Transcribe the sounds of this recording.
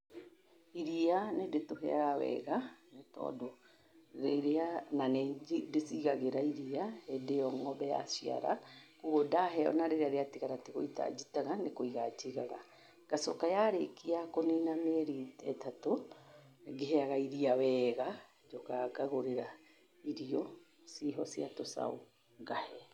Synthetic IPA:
iɾianedetoɦɛ̰aɣawɛ̰ɣanetɔ̰ːdo | ɾeɾeananedesiɣaɣeɾaiɾiaedeɔŋɔbɛja̰sia̰ɾa̰kuɣodaɦɛɔ̰naɾeɾeaɾeatiɣaɾatiɣoita̰d͡ʒitaɣanekoiɣat͡ʃiɣaɣa | ɡ̥asɔkajaɾekiakoninamɛɾitɛtato | ɡeɦɛaɣaiɾiawɛːɣa | d͡ʒokaɡaɣoɾeɾa | iɾiɔ | siɦɔsiatosa̰o̰ | ɡahɛ

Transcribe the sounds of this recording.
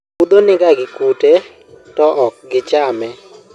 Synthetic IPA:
ud̪onɪɡaɡɪkute | tɔʔɔk̚ɡɪt͡ʃamɛ

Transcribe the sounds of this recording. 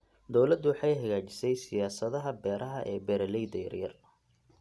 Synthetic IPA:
d̪ɔwlɐd̪ʊwɑħɑjɦɐɣaːt͡ʃɪ̥sɛjsɪjaːsɐðɐɦɐbɛːɾʔɐɦɐʔɛːbɛːɾɐlɛjd̪ɐjɐ̰rjɐ̰r

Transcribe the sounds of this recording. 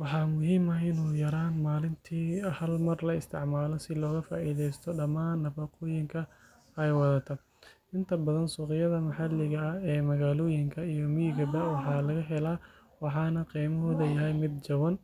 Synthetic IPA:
wɑħɑːmʊɦiːmɐɪnuːjɐɾaːnmaːlɪnt̪ʰiːhɐlmɐrlɐɪst̪ʰɪ̰ʕmaːlɔsɪlɔːɣɐfaːʔiːðɛjst̪ʰɔɖɐmaːnːɐbɐquːjɪŋkʰɐ | ɛjwɑðɐt̪ʰɐ | ɪnt̪ʰɐbɐðɐnsuːqɪjɐðɐmɐħɑlːɪɣɐːɛːmɐɣaːlɔːjɪŋkʰɐijɔmijɪɡɐbɐwɑħɑːlɐɣɐɦɛlaː | wɑħɑːnɐqiːmɐɦɔːðɐjɐɦɛjmɪd̪̚d͡ʒɐwɐn

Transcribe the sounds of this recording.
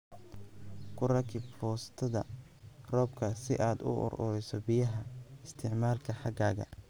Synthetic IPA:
kʰʊrɐkʰɪbfɔːst̪ʰɐðɐ | rɔːbkʰɐsɪʔaːd̪ʊ̰ʔʊ̰rʔʊ̰ɾɛjsɔbɪjɐɦɐɪst̪ʰɪʕmaːlkʰɐħɑɡaːɣɐ̰

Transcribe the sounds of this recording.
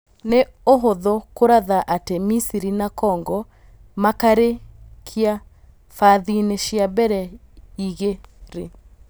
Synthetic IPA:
neoɦoðɔkoɾaðaʔatɛmisiɾinakɔːŋɡɔ | makaɾekʰija | faːðiːneʃiabɛɾɛ | iɣeɾe

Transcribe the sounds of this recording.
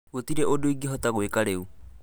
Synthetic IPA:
ɣotiɾeʔodoiɡiɦɔtaɣwekaɾeu

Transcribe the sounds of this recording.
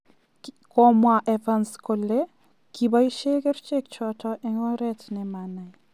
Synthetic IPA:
kɔmwaʔɛvanskole | kʰibaiʃekert͡ʃek̚t͡ʃɔtʰɔʔɛŋɔɾɛtnɛmana

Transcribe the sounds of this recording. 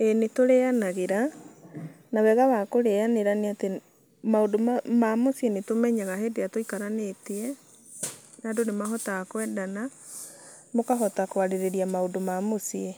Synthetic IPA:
enetoɾeanaɣeɾa | nawɛɣawakoɾeaneɾaneate | maodomamosienetomɛɲaɣaɦedeatoikaɾaneteɛ | naːdonemaɦɔtakwɛdana | mokaɦɔtakowaɾeɾeɾiamaodomamosie

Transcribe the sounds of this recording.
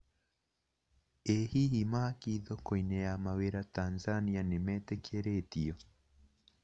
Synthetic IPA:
ɛhihimakiðɔkɔinɛamaweɾatanzanianimɛtɛkiɛɾetiɔ

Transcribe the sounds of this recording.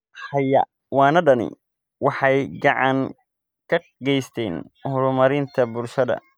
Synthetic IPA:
ħɑjɐ̰ | wɑːnɐɖɐnɪ̰ | wɑħɑjɡɑʕɑŋ | kʰɐ | ɡɛjst̪ʰɛːn | hʊɾʊmɐɾɪnt̪ʰɐbʊlʃɐðɐ̰

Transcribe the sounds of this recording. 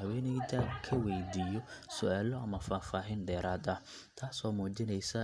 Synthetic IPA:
ɦɐwɛːnɛd̪ʰaːkʰɐwɛjd̪iːjɔsʊʔaːlɔɐmɐfaːfaːɦiːnɖɛːɾaːd̪ɐ | t̪ʰaːsɔːmuːt͡ʃɪnɛjsɐ

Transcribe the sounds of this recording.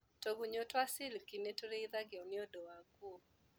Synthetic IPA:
toɡuɲotwasɪlkinetoɾeiðaɡɪɔnɪɔdɔwaɡuo

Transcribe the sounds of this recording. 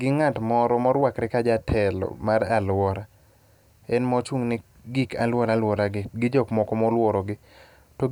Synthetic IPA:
ɡɪŋatmɔɾɔmɔɾwakɾɪkad͡ʒatʰɛlɔ̰maɾalwɔɾa | ɛnmɔt͡ʃuŋnɪ | ɡɪkalwɔɾalwɔɾaɡɪɡɪd͡ʒɔkmɔkɔmɔlwɔɾɔɡɪ | tɔ

